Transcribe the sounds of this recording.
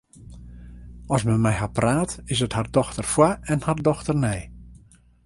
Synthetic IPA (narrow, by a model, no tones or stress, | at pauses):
ɔsmənmɛjhapraːtɪsəthardɔxtərfwaɛnhardɔxtərnɛj